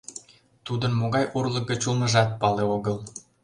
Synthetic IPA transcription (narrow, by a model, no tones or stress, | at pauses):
t̪ud̪ənmoɣɑjʔurlˠək̚ɡət͡ɕulməʒɑt̪̚pɑleoɣəl